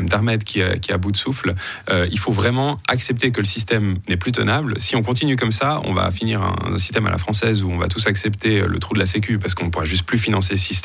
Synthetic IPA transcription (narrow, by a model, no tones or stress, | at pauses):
ɛmd̪aʁmɛd̪kʲʰiɛ̰kʲiabud̪əsufl | øilfovʁɛmɑ̃aksɛp̚t̪ek̬ələsist̪ɛmnɛplyt̪ə̰nablsiɔ̃kɔ̃t̪̬inykɔmsaɔ̰̃va̰finiʁɛ̰̃ɛ̃si̥st̪ɛma̰lʔa̰fχɑ̃sɛzuɔ̃va̰t̪usaksɛpt̪eø̰lə̰t̪χud̪əlasek̬ʲypaʁsə̥kɔ̃nəpuʁɛʒys̬t̪̚plyfinɑ̃s̬eləsist̪